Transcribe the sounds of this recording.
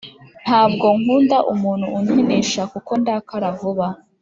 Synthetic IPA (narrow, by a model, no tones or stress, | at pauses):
n̥haːb̚ɡo̞ŋhuːndaʔumuːn̥huːnene̞ʃakuko̞ndaːkaɾavuβa